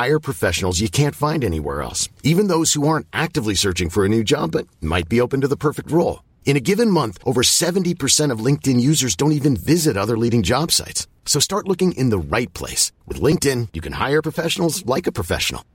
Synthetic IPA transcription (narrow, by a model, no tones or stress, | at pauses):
aɪə˞pʰɹ̥ɨfɛʃn̩l̩ˠzjɨkʰæ̃ntfãɪ̃ndɛnḭwɛ̰ɹɛ̰lˠsivɨ̃nðoʊz̥huɑɹntʔæk̚tɨvlisɜ˞t͡ʃɪ̃ŋfə˞ɨnʉd͡ʒɑ̰bʌt̚ma̰ɪt̚b̥ioʊpɨ̃n̩tɨðəpʰɜ˞fɪk̚t̚ɹoʊlˠ | ɨ̃ɾ̃ɨɡɪvɨ̃nmʌ̃nθʔoʊvə˞sɛṽn̩tipʰə˞sɛ̃ɾ̃ʌvlɪ̃ŋk̚tɨ̃njʉzə˞zdõʊ̃ntivɨ̃nvɪzɨɾʌðə˞liɾɪ̃ŋd͡ʒɑb̥sa̰ɪtsː | oʊstɑɹtˡlʊkɪ̃ŋʔɪ̰̃nðəɹaɪt̚pʰl̥ḛɪswɨ̰ðlɪ̃ŋk̚tɪ̃njɨkʰɨ̃nha̰ɪə˞pʰɹ̥əfɛʃn̩l̩ˠzlaɪkɨpʰɹ̥əfɛ̰ʃn̩̰l̩ˠ